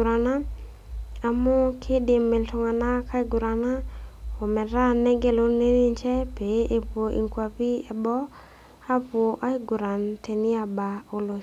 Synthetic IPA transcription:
ɾa˨na˦ | a˨mɔ˦kʰɪ˦dɪ˨mɪ˨ltʊ˨ŋa˨na˦ka˦i˦ɡʊ˨ɾa˨na˦ɔ˨mɛ˨ɾa˦nɛ˦ɡɛ˦lo˦ne˦ni˦ɲt͡ʃɛ˦pe˨ʔe˦pwo˨ʔḭ˨ŋkwa˨pi˦ɛ˨bɔ˦ | a˦pwo˨ʔa˦i˦ɡʊ˨ɾa˨nte˨ni˦a˨ba˨o˨lo˨

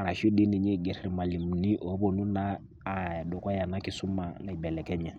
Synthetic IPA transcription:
a˨ɾa˨ʃu˦di˦ni˨ɲɛ˦ɡɛ˨ɾɛ˨ɾi˨ma˨li˨m˨ni˦ʔo˨˦bo˦˨nu˦naː˦˨ | dɔ˨ka˦ja˨na˦ki˨˦su˦ma˨na˨i˨bɛ˨lɛ˨kɛ˦ɲɛ˨

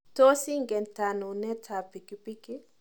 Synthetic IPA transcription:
to˦si˦ŋɡɛ˨nta˨no˨nɛ˦tʰa˨pi˨ki˦pi˦ki˦

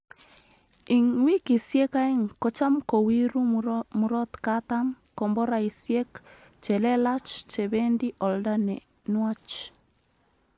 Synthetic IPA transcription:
i˨ŋwi˦ki˨sje˦ka˦i˦ŋko˦t͡ʃa˦mko˨wi˦ɾu˦mu˨ɾɔ˦t̪katam | kɔ˨mbɔ˦ɾa˨i˨sjɛ˦k | t͡ʃɛ˨lɛ˦la˦t͡ʃt͡ʃɛ˨βɛ˦ndi˦ʔɔ˨lda˦nɛ˨ | nwat͡ʃ

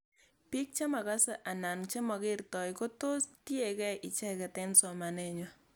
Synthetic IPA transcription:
pi˦k̚t͡ʃe˦ma˨ka˦sɛ˨ʔa˨na˨nt͡ʃe˦mɔ˨ke˦rtɔ˨jko˦to˦sti˦e˨kɛ˦ʔi˨t͡ʃɛ˦kɛ˨tɛ˦nsɔ˨ma˨nɛ˦ɲo

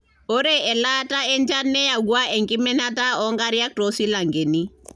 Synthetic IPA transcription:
o˦ɾe˦ɛ˨la˦ta˦ɛ˦ɲd͡ʒa˦nːɛ˦ja˨ɡwa˦ɛ˨ŋkɪ˦mɛ˦na˦ta˦ɔ˦ŋɡa˦ɾja˦k̚tɔ˨si˦la˨ŋɡe˨ni˦

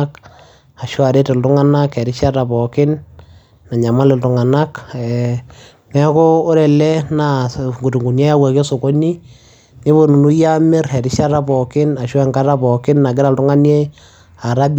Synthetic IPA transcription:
k | a˨ʃɔ˦a˨ɾe˦te˨ltʊ˦ŋa˦na˦kɛ˨ɾɪ˦ʃa˦ta˨pɔ˨kɪ˦nː | a˨ɲa˨ma˦lɪ˨ltʊ˨ŋa˨na˦kɛ˨ | mɛ˦kɔː˦ɾɛ˨lɛ˦na˨ŋɡu˨tu˨ŋɡu˨njɛ˦ja˦wa˨ke˦so˨ko˦ni˦ | nɪ˦bo˨nu˨nu˦ja˦mɪ˦ɾɛ˨ɾɪ˦ʃa˦ɾa˦pɔ˨kɪ˦na˨ʃo˦ɛ˦ŋɡa˦ɾa˦pɔ˨kɪ˦nːa˨ɡ̬ɪ˦ɾa˨ltʊ˦ŋa˦nje˦ | a˨ɾa˦b

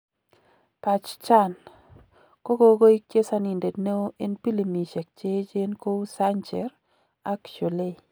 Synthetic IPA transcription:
pa˨t͡ʃt͡ʃa˦˨n | ko˦ɡo˦ɡo˦i˦kje˦sa˦ni˨nde˨dne˦o˦ʔe˦npi˦li˨mi˨ʃɛ˨k̚t͡ʃe˦d͡ʒe˦nko˦u˦sa˦ɲt͡ʃɛ˨ɾ | a˦kt͡ʃo˨le˦

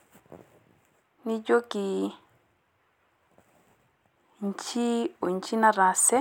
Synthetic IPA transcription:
ni˦d͡ʒo˦ki˨ | ɲ˨t͡ʃi˦o˨n˨t͡ʃi˦na˦ɾa˨sɛ˦

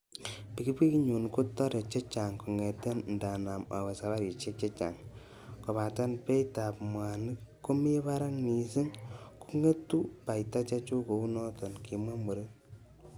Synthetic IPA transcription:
pi˨ki˦pi˦kɲu˨nku˦tːɔ˦ɾe˨t͡ʃe˦t͡ʃa˨ŋku˨ŋe˨te˦nnda˨na˨ma̰˨wa˨sa˨βa˦ɾi˨t͡ʃe˦t͡ʃe˦t͡ʃa̰˨ŋ | kɔ˨pa˨ta˦npe˦jta˨pmwa˨ni˦kːu˦me˦pa˦ɾa˦ŋni˨si˦ŋku˦ŋe˦tːu˦pa˨jta˦t͡ʃa˦t͡ʃu˦ko˨u˦nɔ˦tɔ˨nki˨mwa˦mo˨ɾe˦

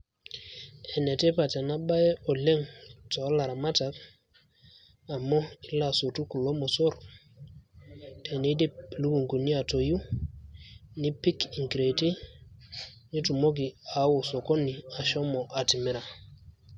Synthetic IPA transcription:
ɛ˨nɛ˨te˦pa˨tɛ˨na˦ba˦jɛ˦ʔɔ˨le˦ŋtɔ˨˦la˨ɾa˨ma˦ta˨k | a˨mɔ˦i˦la˨so˨tu˦ku˨lo˦mɔ˨so˦ɾ | tʰɛ˨ne˦di˦˨lu˦ku˨ŋku˨ni˦a˨to˨ju˦ | ni˦pi˦ki˨ŋkɾe˨ti˦ | ni˦tu˨mo˦ɡ̬i˨a˨˦wo˨so˨ko˦ni˨a˨ʃɔ˦mɔ˨ʔa˨ti˨mɛ˦ɾa˨

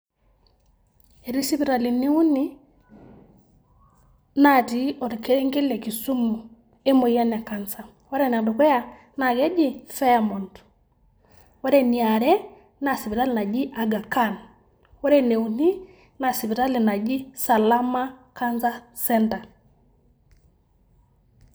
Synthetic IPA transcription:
e˨ɾi˦si˦pi˨ɾa˨li˨ne˦u˦ni˦ | na˦ti˨ɔ˨ɾi˨kɛ˦ŋɡe˦lɛ˨ki˨su˦mu˨ | e˦mo˨ja˦na˨ka˨nsa˨ | wa˦ɾɛ˦n˨a˨do˨kɛ˦ja˦ | na˨ɡɛ˦d͡ʒi˦fɛ˦a˦mɔ˨nt | wɔ˦ɾɛ˦˨ni˨a˨ɾɛ˦ | na˨si˨pi˨ta˦lna˨d͡ʒi˦ʔa˨ɡa˨ka˦n | wɔ˦ɾɛ˦ne˨u˨ni˦ | na˨si˨pi˨ta˦li˨na˨d͡ʒi˦sa˨la˦ma˦ka˦nza˦sɛ˦nta˨

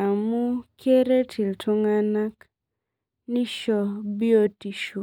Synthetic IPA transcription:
a˨mu˦kʰe˦ɾe˦tʰi˨ltʰu˦ŋa˦na˦k | ni˦ʃɔ˨bi˦o˦ti˨ʃu˨

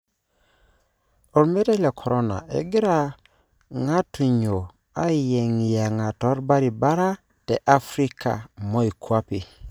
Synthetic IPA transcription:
o˨ɾme˦ɾe˦le˨kʰo˨ɾo˦na̰˨ʔḛ˨ɡi˦ɾa˨ | ŋa˦tu˨ɲo˨ | a˦je˨ŋi˨ja˨ŋa˨to˦ɾba˦ɾi˨ba˦ɾa˦ | te˨ʔa˦fɾi˦ka̰˨mo˦i˨kʰua˦pi˨

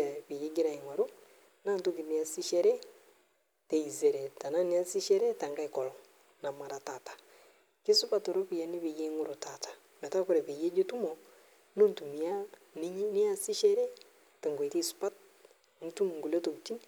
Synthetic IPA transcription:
ɛ˨βi˨je˦ɡi˦ɾa˨i˨ŋwa˨ɾo˦ | na˦nto˦ki˨ni˨˦a˨si˦ʃɛ˦ɾɛ˦ | te˨i˨ze˨ɾɛ˨ta˨na˦ni˦a˦si˦ʃɛ˦ɾɛ˦ta˨ŋɡa˦i˨kɔ˨lɔ˨ | na˨ma˨ɾa˨ta˨tḁ˨ | ki˦su˦pa˦to˨ɾo˦pi˨ja˦ni˦βi˨je˦ŋu˦ɾo˨ta˨tḁ˨ | mɛ˨ta˦ko˦ɾɛ˨βe˨je˦d͡ʒe˦tu˦mɔ˨ | no˦ntu˨mi˨a˦ | ni˦ɲi˦ni˦a˦si˦ʃɛ˦ɾɛ˦ | te˨ŋɡwe˨ki˦su̥˦pa˦t̚ | n˨tu˦mu˨ŋɡu˨lo˦to˨kt͡ʃi˦n

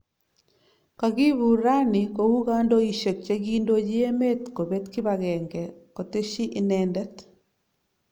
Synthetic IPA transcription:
ka˨ɡi˦βu˨ɾa˦ni˨ko˨wu˦ɣa˦ndo˦i˨ʃe˨k̚t͡ʃe˦ɡi˦ndo˦d͡ʒi˦e˦me˦tko˨be˦t̪kɪ˦baɣɛ˨ŋɡɛ˨ko˨te˦ʃi˦ʔi˦nɛndɛ˦t

